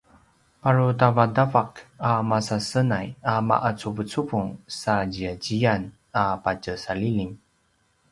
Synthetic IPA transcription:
paɹutavadavakamasasənajama̰ʔat͡suvət͡suvuŋsad͡ʑiaɟian | apad͡ʒəsaliliŋ

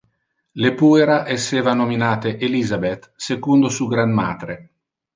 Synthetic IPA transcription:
lepueɾaʔesːeːvanominaːt̪eʔelizabet̪sekund̪osuːɡɾanma̰ːt̪ɾe

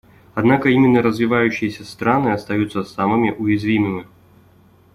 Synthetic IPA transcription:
ad̪nakəimʲɪnːəɾəzvʲivajʉɕːɪjɛsʲɐst̪ɾanɨɐst̪ajut̪sːəsamɨmʲiʔujizʲvʲimɨmʲi

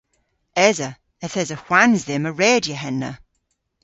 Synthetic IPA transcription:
ɛzə | əθɛzəxw̥anzðɪməɹɛːdjəɦɛnːə̰

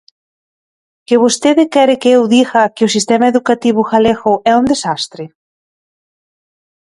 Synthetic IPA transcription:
kɪβost̪eðɪkɛɾɪkeewðiɣɐkɪʊsist̪emaeðukat̪iβ̞ʊxalexʊʔɛund̪esast̪ɾɪ

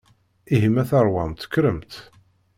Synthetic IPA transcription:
iɦəmæθɑɾˤwɑnt̪ːə̥kːɾəmt̪

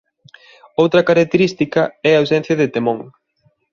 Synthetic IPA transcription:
owt̪ɾɐkaɾak̚t̪eɾist̪ikɐɛɐawsɛn̟θjɐðet̪emõŋ

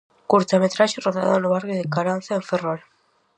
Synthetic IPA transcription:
kuɾt͡samet̪ɾaʃeroða̰ðonoβaɾɣeðekaɾanθaeɱferal

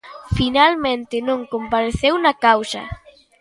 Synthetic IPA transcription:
finalmẽnt̪ɪnõŋkompaɾeθewnɐkawsɐ̰

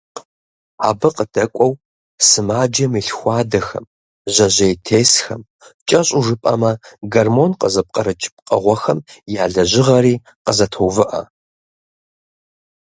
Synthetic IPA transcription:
a̰ːbɨqəd̥ɐkʷʼɔw | sɨmaːd͡ʒɐmiɬxʷɑːdɐxɐ̰m | ʑɐʑejtʰeːsxɐm | t͡ʃʼɐɕʼuʐɨpʼɐ̰mɐɡɐrmonqəzɐp̚qʼɐɾɨt͡ʃʼɪp̚qʼɐʁʷɔxɐmjaːɮɐʑɪʁɐɾiː | qəzɐtʰowvɨʔɐ̰

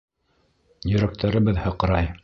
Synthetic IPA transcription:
jɵ̆ɾæk̚t̪ʰæɾɘ̆βɘðhɤ̆q̆ɾɑj

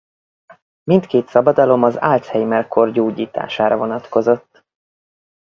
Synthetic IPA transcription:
mint̪keːt̪sɒbɒd̪ɒlo̞mɒza̰ːlt̪hɛjmɛlkʰo̞rɟoːɟiːt̪a̰ːʃaːɾɒvo̞nɒt̪ko̞zo̞t̪ː

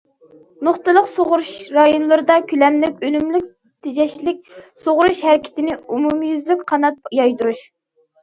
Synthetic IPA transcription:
noχt̪ɨlˠəqsoʁɾuʃɾɑjonlˠɨɾɨd̪ɑkʲʰylɛmlɪkʲølymlyk̚ʲ | t̪ʰɪd͡ʒɛʃlɪk̚ʲsoʁɾuʃhæɾɪkʲʰɪ̥t̪ɪnɪumumjyzlykʲqʰɑnɑt̪̚jɑjd̪uɾuʃ

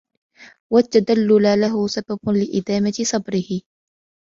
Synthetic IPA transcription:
wat̪ːad̪alːʊlalaɦʊsabablɪʔɪd̪aːmat̪ɪsˤɑbɾɪhɪ

